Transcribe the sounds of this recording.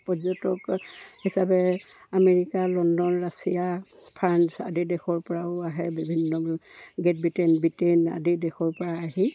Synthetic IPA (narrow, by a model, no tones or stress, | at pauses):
pɔzɔtɔkhisabɛameɹikalɔndɔnɹasija | pʰansa̰didɛxɔɹpɔɹaʊaɦɛbibʱinːɔɡet̚bitenbitena̰didɛxɔɹpɔɹaːɦi